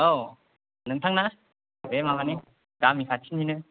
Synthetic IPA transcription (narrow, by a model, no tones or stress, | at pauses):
o | nɯŋtʰaŋna | bemabani | ɡamikʰatʰininɯ